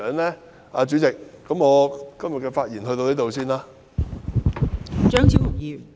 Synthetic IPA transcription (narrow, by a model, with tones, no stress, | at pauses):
nlɛː˥ | ʔaː˨˧t͡ʃy˨˥t͡sɪ˨kːɐ˨˦mŋɔː˨˧kɐ˥mjɐ˨t̚kɛː˧faː˧t̚jiː˨˩nhɦɵ˧t̪o˧wniː˨˥t̪o˧wsiː˥˩nlaː˥ | t͡ʃœː˥ŋt͡sʰiː˥wfʊ˨˩k̚jiː˨